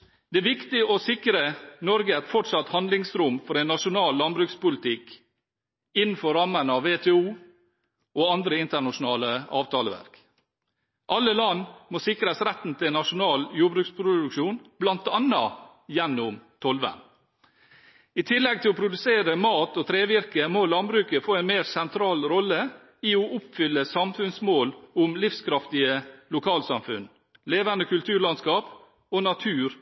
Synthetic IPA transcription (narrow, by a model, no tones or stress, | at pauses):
d̪̥ɛæʋɪkt̪ɪɔsɪkɾənɔɾɡəæt̪fɔʈsɑt̪hɑnd̪lɪŋsɾuːmfɔɾæɪnːɑʂʊnɑːlːɑnbɾʉkspʊlɪt̪ʰɪk | ɪnn̩fɔɾɑmənəɑʋːeːt̪ʰɛːuː | ʔoɑnd̪ɾəɪnt̪əɳɑʂʊn̩ɑːləɑːʋt̪ʰɑːləʋæ̰ɾk | ʔɑlːəlɑnːmoːsɪkɾəsɾæt̪n̩t̪ʰɪlɛnːɑʂʊnɑːljuːbɾʉːkspʰɾʊd̪ʉkʂuːnblɑnt̪ɑnɑ | jɛnːʊmt̪ʰɔlʋə̰n | ɪt̪ʰɪlːɛɡ̚t̪ʰɪlɔpʰɾʊd̪ʉseːɾəmɑːt̪ɔt̪ʰɾeːʋɪɾkəmolɑnbɾʉːkəfoːɛɪnmeːɾsɛnt̪ʰɾɑːlɾɔlːə | ɪɔʔʊpfʏlːəsɑmfʉnsmoːlʊmlɪfskʰɾɑft̪ɪəlʊkʰɑːlsɑmfʉ̰n | leːʋɑnd̪əkʉlt̪ʰʉːɾɭɑnskɑːp | onɑt̪ʰʉːɾ